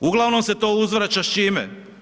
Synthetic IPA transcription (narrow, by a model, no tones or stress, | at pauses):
uɡlˠaʋno̞mse̞t̪oːuzʋɾat͡ɕaʃt͡ʃimḛ